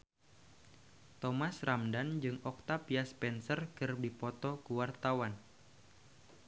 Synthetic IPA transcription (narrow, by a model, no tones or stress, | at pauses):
t̪ɔmasramdand͡ʒɨŋɔk̚t̪apiaspɛnsərkɨrdipɔt̪ɔkuwart̪awan